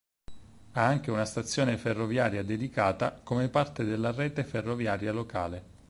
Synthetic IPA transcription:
aaŋk̟eunast̪at̪sːjoːneferːovjaːɾjad̪ed̪ikaːt̪akomepart̪ed̪elːarɛːt̪eferːovjaːɾjaloka̰ːle

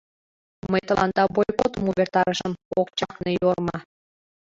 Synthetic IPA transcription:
məjt̪əlʔɑ̰nd̪ɑbojkot̪əmuβert̪ɑɾəʃəmokt͡ɕɑknejormɑ

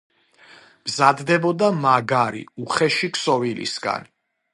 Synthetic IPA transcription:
mzad̪d̪ɛbɔd̪amaɡaɾḭuχɛʃiksɔvilḭsɡa̰n

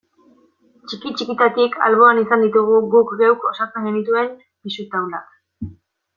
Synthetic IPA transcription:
t͡ʃikit͡ʃikit̪at̪ikʰa̰lβ̞o̞anisand̪it̪uɣ̞uɣukɡewko̞sat͡se̞ŋɡe̞nit̪ue̞m | pisut̪awlak

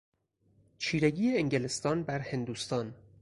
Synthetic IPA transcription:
t͡ʃʰiːɾeɡiːeeŋɟelest̪ɒːnbæɾhe̞nd̪uːst̪ɒːn

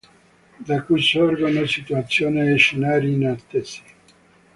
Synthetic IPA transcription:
d̪akujsorɡonosit̪uat̪sːjoːneːʃenaːɾinat̪ːesi̥

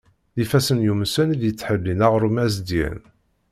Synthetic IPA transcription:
ðifæsənjumsənðjət͡sːħəlːinaʁɾumæzd̪jæ̰n

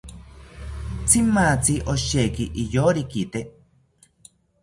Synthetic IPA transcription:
t͡sʰimat͡siʔoʃeːkiʔijoɾikit̪e

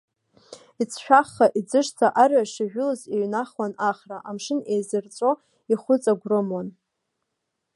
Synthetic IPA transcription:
it͡sʰʃᶣaχːaʔid͡zɨʂt͡sʰaʔaraʂɪʒᶣʊlɨzeɥnaχwanaχraʔamʂɨnejzɨrt͡sʼo̞ | iχʷʊt͡sʼaɡʷrɨmwan

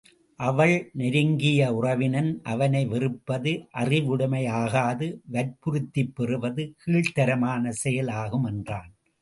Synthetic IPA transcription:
ʔɐʋɐɭnɪɾɯŋɡɪjɐʊrɐʋɪnɐnʔɐ̰ʋɐnɐɪʋɪrɯpːɐðɯʔɐrɪʋʊɽɯmɐɪjaːɣaːðɯʋɐɾpʊɾɯt̪ːɪpːɛrɯʋɐðɯkʰiːɭt̪ɐɾɐmaːnɐsɛjɐlaːɣɯmɛndraːn

